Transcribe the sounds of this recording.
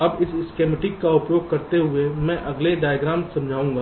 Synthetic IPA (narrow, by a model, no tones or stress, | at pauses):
ɐbɪsɪskeːmeʈɪkːaʊpjoːɡ̚kɐɾt̪eɦʊemɛ̃ʔɐɡleɖaːjɡɾãːmsɐ̃md͡ʒʱaːũːŋɡaː